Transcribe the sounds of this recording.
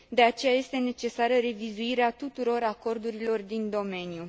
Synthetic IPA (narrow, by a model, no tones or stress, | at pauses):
d̪e̞at͡ʃe̞jaje̞st̪e̞ne̞t͡ʃe̞saɾəɾe̞vizuiɾeat̪ut̪uɾo̞ɾako̞rd̪uɾilo̞rd̪ind̪o̞me̞nju